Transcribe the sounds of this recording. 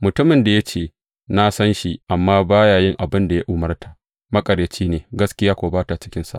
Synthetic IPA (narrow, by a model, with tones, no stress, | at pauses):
mʊ˨tʊ˦mɪ˨nda˨jɐ˦t͡ʃeː˨ | na˦sɐ˦nʃi˦ʔa˨mːaː˦baː˦jaː˨jɪ˦ŋʔa˨bɪ˦nda˨ja˦ʔʊ˨mɐ˦rtʰa˨ | mɐ˦kʼɐ˨ɾeː˨t͡ʃiː˦neː˨ɡɐ˦skʲɪ˦jaː˦kʷoː˨baː˦ta˨t͡ʃɪ̥˦kʲɪ˦nsa̰˦˨